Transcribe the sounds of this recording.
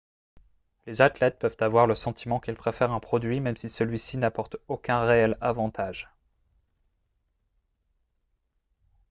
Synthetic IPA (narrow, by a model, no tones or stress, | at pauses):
lezat̪lɛt̪̚pœvt̪avwaʁləsɑ̃t̪ʰimɑ̃kilpχefɛʁɛ̃pχɔd̪ɥimɛmsisəlɥisinapɔʁt̪okʲɛ̃ʁeɛlavɑ̃t̪ʰaʒ